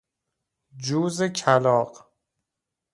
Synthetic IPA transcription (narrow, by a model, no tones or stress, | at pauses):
d͡ʒuːzecʰælɒːq